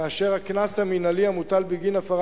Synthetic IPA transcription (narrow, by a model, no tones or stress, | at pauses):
aːʃeʁhaknashaminalihamut̪albiɡinafaʁ